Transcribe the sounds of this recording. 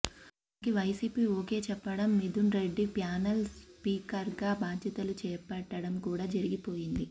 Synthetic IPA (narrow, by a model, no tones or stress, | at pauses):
kiʋɐjsiːpiːoːke̞ːt͡ʃɛpːɐɽɐmːid̪unɾeɖːipjaːnɐlspiːkɐɾɡaːbaːd͡ʒ̪jɐt̪ɐlut͡ʃɛːpɐʈːɐɽɐmkuːɽaːd͡ʒɐɾiɡipo̞ːjind̪i